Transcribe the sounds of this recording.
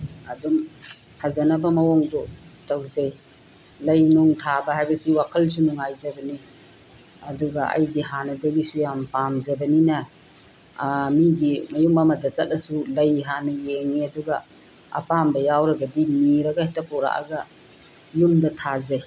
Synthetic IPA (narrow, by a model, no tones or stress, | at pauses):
ɐdum | hazanabɐmɐwɔŋdɔtawzej | lɐjnuŋtʰabɐɦajbɐsiwakʰɐls̬unuŋajzɐbɐni | ɐduɡɐʔɐ̰jdiɦanɐdɐɡisujampamzɐbɐninɐ | miɡimɐjumamɐdɐt͡ʃɐt̚nɐsulɐjɦanɐjeŋiɐduɡɐ | ɐ̰pambɐjawɾɐɡɐdiniɾɐɡahetɐpɔɾa̰ʔa̰ɡɐ | jumdɐtʰazej